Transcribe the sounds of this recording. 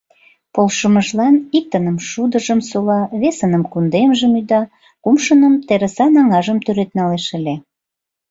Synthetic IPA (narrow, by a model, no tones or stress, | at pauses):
polʃəməʒlɑnik̚t̪ənəmʃud̪əʒəmsolɑβesənəmkund̪emʒəmyd̪ɑ | kumʃənəmt̪eɾə̆sɑnɑŋɑʒəmt̪yɾet̪nɑleʃəlʲe